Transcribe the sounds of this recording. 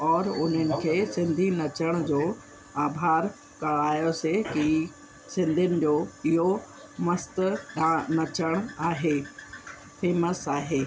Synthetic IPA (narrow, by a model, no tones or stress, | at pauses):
ɔːɾʊn̤ənɪ̆kʰeːsɪ̃nd̪ʱinɐt͡ɕəɽ̃ʊd͡ʑoː | aːbʱaːɾ | kɐɭaːjoseki | sɪ̃nd̪ʱʊnɪ̆d͡ʑoːɪɦo | mɐst̪ɗãnɐt͡ɕəɽ̃aːɦeː | fʰeːməsaːɦeː